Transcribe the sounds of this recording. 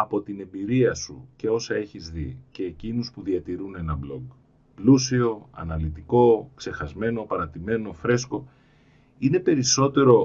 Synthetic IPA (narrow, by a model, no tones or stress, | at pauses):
ɐpo̞t̪ine̞mbiɾiɐsṵce̞o̞sɐe̞çizðḭce̞ːcinuspuðiɐt̪iɾune̞nɐblo̞̰ɡ | plusio̞ɐ̰nɐlit̪iko̞kse̞xɐzme̞no̞pɐɾɐt̪ime̞no̞fɾe̞sko̞ | ine̞pe̞ɾiso̞t̪e̞ɾo̞